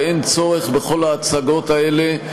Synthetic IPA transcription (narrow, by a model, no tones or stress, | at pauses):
ent͡so̞ʁeχbeχo̞laːt͡saɡo̞taele